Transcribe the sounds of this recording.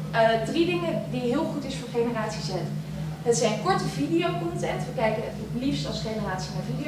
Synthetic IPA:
ədridɪŋədiɦɪːlˠχutɪsfʊːɹχejnəraːtsisɛn | ɦətsɛjnkɔɹtəvidijowkɔntɛntʋəkɛjkənəfplifstɑlˠsχejnəraːtsinavidi

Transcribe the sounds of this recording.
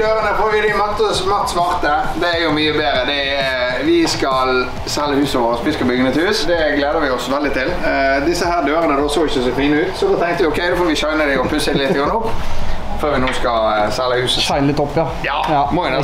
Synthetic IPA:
øːɾənəfɔʋɪd̪ɪmɔt̪ːəsmɑʁt̪smɑʁt̪ə | d̪ɛːjʊmyːəbeːɾəd̪ɛɛ | ʋɪskɑl | sɛlːəhʉːsəʋoːʁəspɪskəbʏɡənəɛt̪hʉːsd̪ɛɡleːd̪əʋɪɔsʋɛld̪ɪt̪ʰɪld̪ɪsːəhæːɾd̪øːɾənəd̪ɔsoɪçəsoːfiːnəʉːt̪sɔd̪oːt̪ʰɛŋkt̪əʋɪɔkʰɛɪd̪oːfoːʋɪʃœɪnəd̪ɪɔpʰʉsːəɛlɪt̪ːəɡɑnɔpːføːɾʋɪnuːskɑsɛlːəhʉːsəsæɪnlɪt̪ːɔpːjɑ | jɑmɔɪn

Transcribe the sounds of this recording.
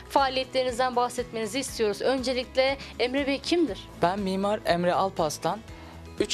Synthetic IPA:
faːlʲijɛt̪lʲe̞ɾinizd̪ænbaxsɛt̪me̞niziːst̪ʰijo̞ɾuzø̞nd͡ʒe̞lʲiclʲɛemɾɛbɛcʰimd̪iɾ̥bænmiːmaɾɛmɾɛalˠpʰast̪ʰan | yt͡ʃ

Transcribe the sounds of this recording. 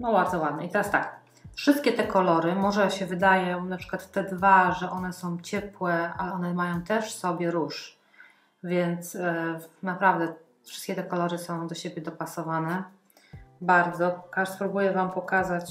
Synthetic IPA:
nɔbaɾd̪zɔwad̪̚nɛit̪ɛɾast̪ak | fʂɘst̪̚kʲɛt̪ɛkɔlɔɾɘmɔʐɛɕɛvɘd̪ajɔ̃w̃napʂɘkwat̪ːɛd̪vaʐɛʔɔnɛsɔ̃w̃t͡ɕɛpwɛalɛɔnɛmajɔ̃w̃t̪ɛʂsɔbʲjɛɾuʂ | vʲjɛnt̪snapɾavd̪ɛ | fʂɘst̪̚kʲɛt̪ɛkɔlɔɾɘsɔ̃w̃d̪ɔɕebʲjɛd̪ɔpasɔvanɛ | baɾd̪zɔkaʐspɾubujɛvampɔkazat͡ɕ

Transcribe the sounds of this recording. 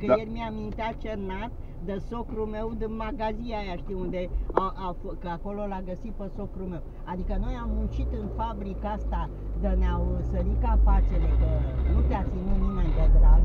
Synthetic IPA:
kəjerʲmiamint̪eat͡ʃernat̪ | d̪əsokɾume̞wd̪ɨnmaɡaziajaʃt̪ijund̪e̞aʔafkəako̞lolaɡəsit̪̚pəsokɾume̞w | ad̪ikəno̞jamːunt͡ʃit̪ɨnfabɾikast̪a | d̪əneawsəɾikapat͡ʃelkənut̪eat̪siminimaint̪eɡ̪ɾal

